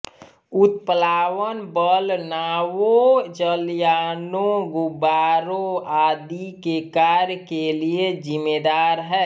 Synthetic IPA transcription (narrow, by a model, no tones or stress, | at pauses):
ʊt̪pəlaːwənbəlnaːwod͡ʒəljaːnoɡʊbaːɾoaːd̪ikekaɾjəkeliezɪmed̪aːɾɦɛː